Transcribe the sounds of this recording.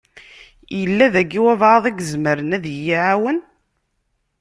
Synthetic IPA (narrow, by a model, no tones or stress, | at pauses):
jəlːæðæɡːiwævʕɑðˤæɡəzməɾənæðjːiʕawən